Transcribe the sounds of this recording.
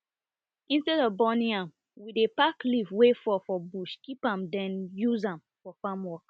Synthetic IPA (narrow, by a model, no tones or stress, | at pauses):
ĩnstɛdɔvbɔnĩŋãm | widepaklivwefɔfɔbuʃkipãmdɛ̃njuzãm | fɔfamwɔk